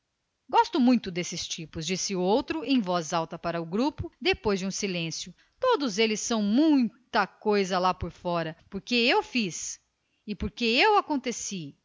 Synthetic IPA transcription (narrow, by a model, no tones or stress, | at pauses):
ɡɔst̪ʊmũj̃t̪ʊd̪esɪst͡ʃipʊzd͡ʒisɪʊowt̪ɾʊʔẽj̃vɔzawt̪ɐpaɾɐʊɡɾupʊd̪epojzd͡ʒɪũsilẽsjʊ | t̪od̪ʊzelɪsːɐ̃w̃mũj̃t̪ɐkojzɐlapoɾfɔɾɐpoɾkeewfis | ɪpoɾkeewakõnt̪esi